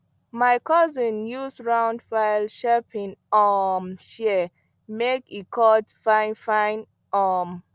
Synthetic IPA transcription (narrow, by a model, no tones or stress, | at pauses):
maɪkɔzĩnjuzɹãwndfaɪlʃɛpʰĩnɔmʃɛ | mekikʰɔdfãɪ̃nfãɪ̃n | ɔm